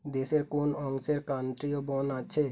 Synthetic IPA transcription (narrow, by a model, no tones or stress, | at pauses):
d̪eːseɾkoːnɔ̃ːŋseɾkãːnt̪ɾijobɔːnatːʃʰe